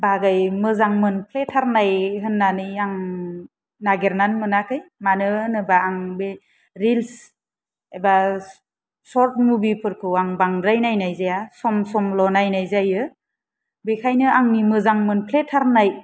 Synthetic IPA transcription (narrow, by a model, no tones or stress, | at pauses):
baɡajmɯzaŋmɯnpʰletʰaɾnajɦɯnːanɯjaŋ | naɡeɾnanmɯnakʰɯjmanɯnɯbaːŋbe | ɾils | eba | sɔɾt̚mubipʰɯɾkʰɯwaŋbaŋɾajnajnajzajasɔmsɔmlɔnajnajzajɯ | bekʰajnɯaŋnimɯzaŋmɯnpʰletʰaɾnaj